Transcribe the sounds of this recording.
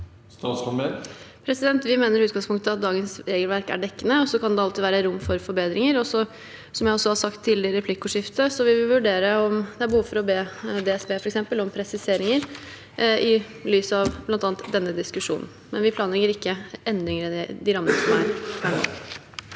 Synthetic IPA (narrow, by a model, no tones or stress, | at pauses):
st̪ɑsɑmepʰɾɛsɪd̪ɛnt̪ʋɪmeːnəɾʉːt̪ɡɑŋspʰʊŋkt̪əɑt̪̚d̪ɑːɡənsɾeːɡəlʋæɾkæ̰ɖɛkːənəɔsɔkʰɑnd̪ɛɑlt̪ɪd̪ʋæːɾəɾʊmːfɔɾfɔɾbeːd̪ɾɪŋəɾɔsɔ | sɔmjæɪɔsːɔhɑsɑkt̪ʰːɪlɪəɾɛpʰlɪkːʊʂɪft̪əsɔʋɪʋɪlʋʉɖeːɾəɔmd̪ɛæɾbəhuːʋəfɔɾɔbeːd̪ɛɛsbeːfɔɾɛksɛmpəlɔmpʰɾɛsɪseːɾɪŋəɾ | ɪ | lyːsɑʋblɑnt̪ɑːnt̪d̪ɛnːəd̪ɪskʉʂṵːnn̩mɛnʋɪpʰlɑːnəlɛŋəɾɪkːəɛnd̪ɪŋɾəd̪ɛd̪ɪɾɑmːənəsɔmæ̰ɾʋʰæːɳɑ̰ːɡ